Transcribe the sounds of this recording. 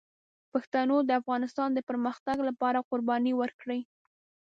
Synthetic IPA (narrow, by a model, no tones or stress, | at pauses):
paxt̪anod̪əafɣɑnɪst̪ɑnd̪əpəɾməxt̪aɡlapɑɾaqʊɾbɑniwəɾkɽəj